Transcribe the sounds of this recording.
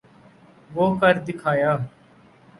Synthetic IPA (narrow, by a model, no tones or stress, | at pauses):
ʋoːkəɾd̪ɪkʰaːjaː